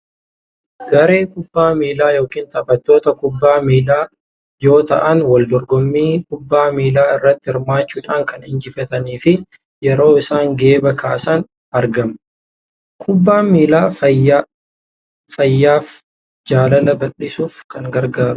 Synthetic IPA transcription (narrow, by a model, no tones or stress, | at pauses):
ɡ̥ɐɾe̞ːkʊbːaːmiːlaːjo̞ːkiːnt̪ɐbɐt̪ːo̞ːt̪ɐkʊbːaːmiːlaː | jo̞ːt̪ɐ̰ʔɐnwɐld̪ɔɾɡɔmːiːkʊbːaːmiːlaːɪrːɐt̪ːɪɪɾmaːt͡ʃːuːᶑaːŋkɐnɪnd͡ʒɪfɐt̪ɐniːfɪ | jɛɾo̞ːɪsaːŋɡe̞ːbɐkaːsan | ɐɾɡɐm | kʰʊbːaːmiːlaːɐj | fɐjːaːf | d͡ʒaːlɐlɐbɐᶑɪsuːfkɐŋɡɐɾɡaːɾʊ